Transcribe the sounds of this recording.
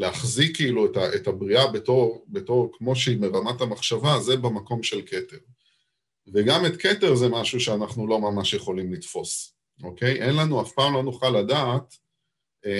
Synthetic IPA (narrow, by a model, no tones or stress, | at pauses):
leaχzikːiiluetaʔetabʁiabeto̞ʁbeto̞ʁkmo̞ʃeibeʁamatamaχʃavaze̞bemako̞mʃe̞lke̞te̞ʁ | veɡamet̪ke̞te̞ʁzemaʃuʃeanaχnulo̞mamaʃjeχo̞limlitfo̞s | ʔo̞ke̞jʔenlanuafpaːmlonuχalːadaːt